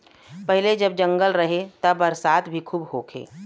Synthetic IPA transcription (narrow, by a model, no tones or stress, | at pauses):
pəɦɪled͡ʒəb̚d͡ʒə̃ŋɡəlɾəɦet̪əbəɾsaːt̪bʱikʰuːbhokʰḛː